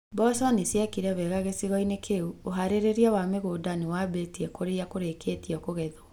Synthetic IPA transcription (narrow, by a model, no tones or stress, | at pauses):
bɔsanesjɛkiɾɛβɛɣaɣesiɣɔinekʰeuoɦaɾeɾeɾiɛwameɣoːdanewabetiɛkoɾeakoɾekʰetiɔkoɣɛðo